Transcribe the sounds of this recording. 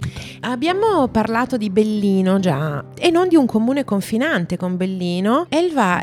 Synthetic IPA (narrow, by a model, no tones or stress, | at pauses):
abːjaːmoparlaːt̪od̪ibelːiːnod͡ʒa | enːond̪iuŋkʰomuːnekoɱfinant̪ekombelːiːnoɛlva